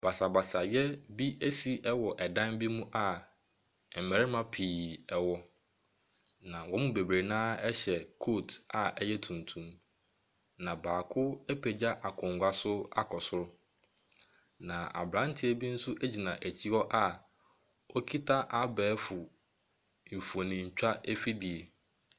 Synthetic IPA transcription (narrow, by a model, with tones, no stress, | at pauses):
b̥a˨sa˨ba˨sa˨jɛ˦bi˦ʔe˦si˨ʔɛ˦wɔ˨ʔɛ˨dã˦nbi˦mũ˦ʔa˨ | m̩˨mæ˨ɾɪ˦mã˦pʰiː˨ɛ˨wɔ˦ | nã˨wɔ˦mũ˦be˨bɾe˨nãː˦ɛ˦ɕɛ˨kʰoː˦˨tʰa˨ɛ˦jɛ˦tʰũ˨n˨tʰũ˦m | nã˨baː˨kʰʊ˦ɛ˦pʰe˨d͡ʑa˦ʔa˨kʰʊ̃˨ŋ˨ɡʷa˨sʊ˦a˦kʰɔ˨sʊ˦ɾʊ˦ | nã˨ʔa̰˨bɾã˨˦n̩˦tʰɪ˦e˦bi˦n̩˦sʊ˦ʔæ˦d͡ʑi˨nã˨ʔæ˨t͡ɕʰi˦ɔ˦ʔa˦˨ | ɔ˦kʰi˦tʰa˦ʔa˨bɛː˨˦fʊ˨ | m̩˨fu˨o˨nĩ˨ɲ̩˨t͡ɕᶣa˦ʔɛ˦fi˦di˨e˨